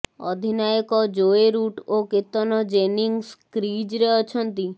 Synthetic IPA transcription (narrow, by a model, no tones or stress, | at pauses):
ɔ̰d̪ʱinajɔkɔd͡ʒoeɾuʈoket̪ːɔnɔd͡ʒeniŋɡskɾid͡ʒɾeɔt͡ʃʰɔnt̪i